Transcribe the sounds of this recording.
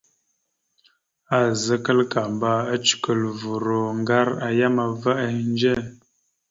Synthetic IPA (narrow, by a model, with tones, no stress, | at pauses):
a˨zə˦kə˦lka˨mba˦ə˦t͡ʃi̥˨kə˨lvu˨ɾo˨ŋ˦ɡa˦ɾa˨ja˦ma˨və˦ə˨˦n˦d͡ʒe˦˨